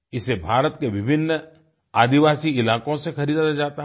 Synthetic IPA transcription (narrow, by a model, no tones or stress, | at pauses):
ɪsebʱaːɾət̪keʋɪbʱɪnː | aːd̪ɪʋaːsiɪlaːkõsexɐɾiːd̪aad͡ʒaːt̪aɦ